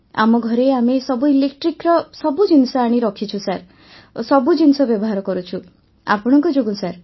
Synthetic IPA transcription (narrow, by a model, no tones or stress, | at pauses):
a̰mɔɡʱɔɾeamesɔbuilekʈɾikɾɔsɔbud͡ʒinsɔaɽ̃iɾɔkʰit͡ʃʰusaɾ | sɔbud͡ʒinsɔbjɔbɔɦaɾɔkɔɾut͡ʃʰu | a̰pɔɽ̃ɔŋkɔd͡ʒoɡũsaɾ